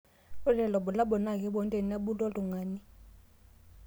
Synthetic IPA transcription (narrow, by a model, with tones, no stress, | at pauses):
ku˦lɛ˨lɔ˨ɓu˨la˦ɓɔ˨na˦˨k̬ʼɛ˦ɓɔ˦ntʼe˦˨nia˦ɓu˦lɔ˦lu˨ŋaː˨˦ni˦